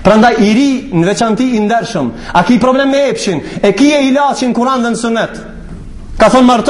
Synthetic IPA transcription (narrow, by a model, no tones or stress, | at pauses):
pɾand̪ajiɾinəvɛt͡ʃant̪iːnd̪ɛɾʃəm | akipɾɔblɛmːɛɛpʃinɛkiɛilat͡ʃinkuɾand̪ənəsunɛt̪ | kaθɔnmaɾt̪